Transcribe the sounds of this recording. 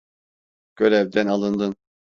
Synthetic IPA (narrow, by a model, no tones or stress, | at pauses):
ɡ̥øɾɛvd̪ɛnalˠɯnd̪ɯn